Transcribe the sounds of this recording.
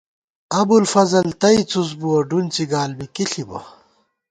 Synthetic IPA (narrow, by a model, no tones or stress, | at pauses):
ɐbulfɐzɐlt̪ɐit͡sus̬buɐɖunt͡siɡaːlbikiɬibɐ̰